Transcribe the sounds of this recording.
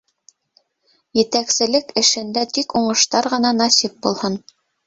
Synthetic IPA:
jɘ̆t̪æksɘ̆lɘkɘ̆ʃɘ̆nd̪æt̪ikuɴɤ̆ʃt̪ɑɾʁɤ̆nɑnɑsip̚bulˠhɤn

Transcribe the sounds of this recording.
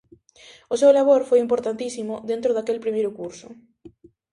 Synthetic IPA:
ʊsewlaβoɾfojimpoɾt̪ant̪isimʊðent̪ɾʊðakelpɾimejɾʊkuɾsʊ

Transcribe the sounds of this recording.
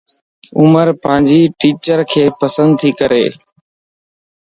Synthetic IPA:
ʊməɾpãːnd͡ʒiːʈiːt͡ʃəɾkʰeːpəsə̃nd̪̚t̪ʰiːkəɾḛː

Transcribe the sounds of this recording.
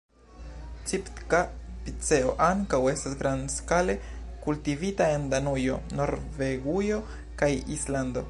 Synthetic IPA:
t͡siptkapit͡se̞o̞ʔaŋkawe̞stasɡɾanskale̞kultivitae̞nd̪anujo̞̰no̞ɾve̞ɡujo̞ | kajisland̪o̞̰

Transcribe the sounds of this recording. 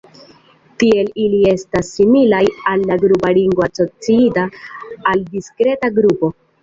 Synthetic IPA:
tie̞lilie̞stasːimilajalːaɡɾupaliŋɡwaso̞t͡siitaːldiskɾe̞taɡɾupo̞

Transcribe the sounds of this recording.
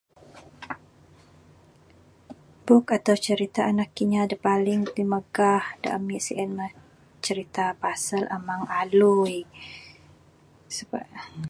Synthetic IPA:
bʊkat̪awt͡ʃəɾit̪aʔanakːiɲadəpalɪŋd̪iməɡahda̰ʔəmiʔsiʔənmə | t͡ʃəɾit̪apasələmaŋaluj | səba̰

